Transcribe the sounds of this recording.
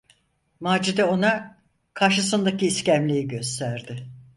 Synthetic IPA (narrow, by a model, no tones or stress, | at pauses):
maːd͡ʒid̪ɛo̞na | kʰaɾʃɯsɯnd̪aciːscæmlʲejiɟø̞st̪ʰæɾd̪ɪ